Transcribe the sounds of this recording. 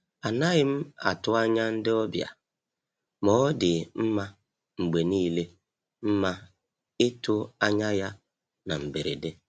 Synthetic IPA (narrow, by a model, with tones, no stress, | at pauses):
a˨na˦ɣɪ˦m̩˦a̰˨tʊ˦a˦ɲa˦n̩˦dɪ˦ɔ˦bja̰˨ | mɔ˨˦dɪ˨m̩˦ma˦ | ŋ͡m̩˨ɡ͡be˨niː˦le˦ | m̩˦ma˦ | ɪ˦tʊ˦a˦ɲa˦ja˦ | na˨m̩˨be˨ɾḛ˨de˦